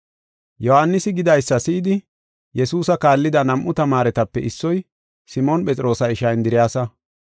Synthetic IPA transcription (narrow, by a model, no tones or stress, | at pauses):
jɔhanːɪsɪɡɪd̪ɐjsːɐsɪːd̪ɪ | jɛsuːsɐkaːlːɪd̪ɐnɐmʔːʊt̪ɐmaːɾɛt̪ɐpːɛɪsːɔj | sɪmonpʼɛt͡sʼɪɾo̞ːsɐɪʃɐjnd̪ɪɾɪjaːsɐ